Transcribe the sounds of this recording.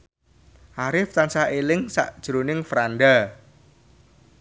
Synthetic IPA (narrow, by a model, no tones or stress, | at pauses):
ʔaɾɪft̪ansaelɪŋsa̰ʔd̥ʒ̥ɾonɪŋfɾanɖa